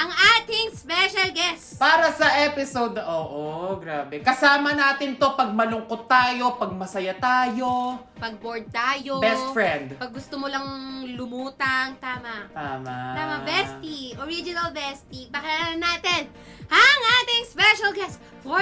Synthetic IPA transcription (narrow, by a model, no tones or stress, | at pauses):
ʔɐŋaːt̪ɪŋspɛʃɐlɡɛspaːɾɐsɐʔɛpɪsowd̪ʔoːʔoɡɾaːbɛkɐsaːmɐnaːt̪ɪnt̪o̞pɐɡ̚mɐlʊŋkot̪ːaːjo̞pɐɡ̚mɐsɐjat̪aːjo̞ | pɐɡ̚boɹd̪̚t̪aːjobɛst̪fɹɛnd̪pɐɡ̚ːʊst̪omolɐŋlʊmuːt̪ɐŋt̪aːmɐʔt̪aːmat̪aːmɐbɛst̪iʔoɹid͡ʒɪnɐlbɛst̪ipɐkɪlanɐnːaːt̪ɛn | ʔɐŋʔaːt̪ɪŋspɛʃɐlɡɛs | fo